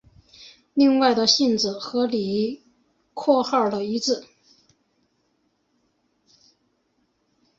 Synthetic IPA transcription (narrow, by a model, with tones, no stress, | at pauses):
li˥˧ŋwa˥˩ɪd̪ə˩ɕi˥˩nt͡s̩˨˩xɤ˧˥li˨˩ | kʰwɔ˥˧xɑ˥˩ʊlə˩i˧˥t͡sɹ̩˥˩